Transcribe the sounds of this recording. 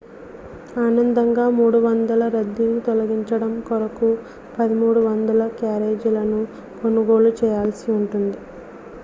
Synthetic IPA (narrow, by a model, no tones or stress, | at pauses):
aːnɐnd̪ɐŋɡaːmuːɽuʋɐnd̪ɐlɐɾɐd̪ːinit̪ɔlɐɡiɲt͡ʃɐɽɐmkɔɾɐku | pɐd̪imuːɽuʋɐnd̪ɐlɐkjaːɾe̞ːd͡ʒulɐnu | konuɡo̞ːlut͡ʃɛːjaːlsiuɳʈund̪i